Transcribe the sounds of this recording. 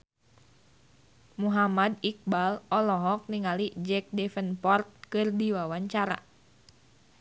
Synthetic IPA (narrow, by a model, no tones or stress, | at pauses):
muɦamadik̚balɔlɔɦɔk̚niŋalid͡ʒɛk̚dɛfənpɔrt̪̚kɨrdiwawaɲt͡ʃaɾa̰